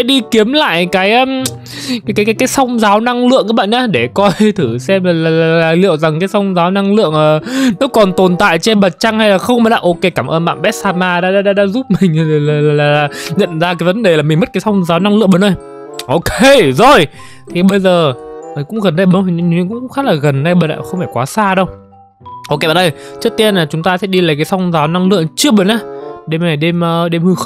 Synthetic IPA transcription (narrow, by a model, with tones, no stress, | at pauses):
sɛ̰˧˥ɗi˧ki˨˦əmla̰ː˧˨jkaː˨˦j | kaː˨˦jkaː˨˦jkaː˨˦jkaː˨˦jsə˧wŋ͡mzaː˨˦wna˧ŋlɨ̰˧˨əŋkːaː˨˦˥ɓa̰ː˧˨ʔaː˨˦ɗe˧˩kɔ˧jt̪ʰɨ˧˩sɛ˧mlaː˨˩laː˨˩laː˨˩˨laː˨˩lḭ˧˨əwza˨˩ŋkaː˨˦jsə˧wŋ͡mzaː˨˦wna˧ŋlɨ̰˧˨əŋʔəː˨˩nɔ˨˦kɔ˨˩nt̪o˨˩nt̪a̰ː˧˨jt͡ɕe˧nɓə˨˩t̚t͡ɕa˧ŋha˧jlaː˨˩xə˧wŋ͡mmaː˨˩la̰ː˧˩ʔo˧ke˧kaː˧˩mʔəː˧nɓa̰ː˧˨nɓɛ˦˥t̚saː˧maː˧ɗa̰ː˨˥a̰ː˧˥ɗa̰ː˧˥ɗa̰ː˧˥zu˦˥p̚mï˨˩ŋ̟ː˨˩laː˨˩laː˨˩laː˨˩laː˨˩ɲə̰˧˨nzaː˧kaː˨˦jvə˨˦nɗe˨˩laː˨˩mï˨˩ŋ̟m˦˥t̚kaː˨˦sɔ˧wŋ͡mzaː˨˦wna˧ŋlɨ̰˧˨ɓəː˨˩nɗə˧˩j | ʔo˧ke˧zo˨˩j | t̪ʰi˨˩ɓə˧jzəː˨˩ə˨˩kʊ̰˧˥ŋ͡mɣə˨˩nɗə˧jɓə˨˧˦i˨˩˨ŋkʊ̰˧˥˧xa˦˥laː˨˩ɣə˨˩nɗə˧jɓə˧˨˩nla̰ː˧˨˩xə˧wŋ͡mfaː˧˩jkwaː˨˦saː˧ɗə˧wŋ͡m | ʔo˧ke˧ɓa̰˧˨˩ɗə˧jt͡ɕɨ˦˥ək̚t̪i˧ənlaː˨˩t͡ɕʊ˨˦ŋ͡mt̪aː˧sɛ̰˧˥ɗi˧laː˨˩jkaː˨˦jsɔ˧wŋ͡mzaː˨˦wna˧ŋlɨ̰˧˨əŋt͡ɕɨ˦˥əɓəː˨˩nʔaː˨˧˦ɗe˧mna˨˩ɗe˧mʔəː˧ɗe˧mhɨ˧x